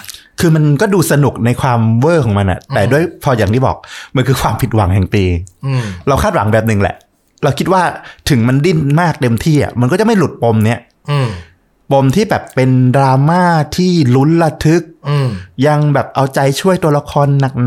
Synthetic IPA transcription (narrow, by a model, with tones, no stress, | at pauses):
kʰɯː˧ma˧nkɔː˥˩duː˧sa˧nu˨˩k̚na˧jkʰwaː˧mwɤː˥˩kʰɔː˩˦ma˧nʔa̰˨˩ʔt̪ɛː˨˩du˥˩əjpʰɔː˧jaː˨˩ŋt̪ʰiː˥˩bɔ̰ː˨˩k̚ma˧nkʰɯː˧kʰwaː˧mpʰi˨˩t̪̚wa̰˩˦ŋɦɛ˨˩ŋt̪iː˧ | ɾa˧wkʰaː˥˩wa̰˩˦ŋbɛː˨˩p̚nɯ˨˩ŋlɛ̰˨˩ʔ | ɾa˧wkʰi˦˥t̪̚waː˥˩t̪ʰɯ˨˩˦ŋma˧ndi˥˩nmaː˥˩k̚t̪e˧mt̪ʰiː˥˩ʔa̰˨˩ma˧nkɔː˥˩t͡ɕa˨˩ma˥˩jlu˨˩t̪̚po˧mni˦˥ɐ | po˧mt̪ʰiː˥˩bɛː˨˩pːe˧ndɾaː˧maː˥˩t̪ʰiː˥˩lu˦˥nla˧t̪ʰɯ˦˥k̚ja˧ŋbɛː˨˩p̚ʔa˧wt͡ɕa˧jt͡ɕʰu˥˩əjt̪u˧ɐla˧kʰɔː˧nːa˨˩k̚n